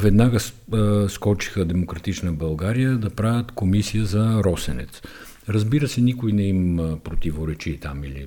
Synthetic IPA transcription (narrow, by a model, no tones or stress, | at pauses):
vɛd̪naɡəsskɔt͡ʃi̥xəd̪ɛmokɾɐt̪it͡ʃnəbɐlˠɡaɾijəd̪ɐpɾavʲət̪komisijəzɐɾɔsɛnɛ̰t̪s | ɾɐzbiɾəsɛnikojnɛimpɾot̪ivoɾɛt͡ʃit̪amilḭ